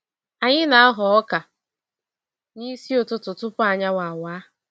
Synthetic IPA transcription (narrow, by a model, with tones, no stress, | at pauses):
a˨ɲɪ˦na˨a˦ɦʊ˨ɔ˦ka˨ | ni˦si˦o˨tʊ˨tʊ˨tʊ˦pʊ˦a˨ɲa˦wa˨waː˨˦